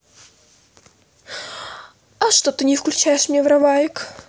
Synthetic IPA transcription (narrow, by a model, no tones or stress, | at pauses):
ɐʂt̪ot̪ɨnʲɪfklʲʉt͡ɕæjɪʂmnʲevɾɐvajɪk